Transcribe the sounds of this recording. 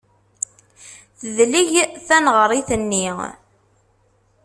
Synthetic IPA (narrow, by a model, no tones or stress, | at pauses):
θəðliʝθænʁəɾˤiθənːi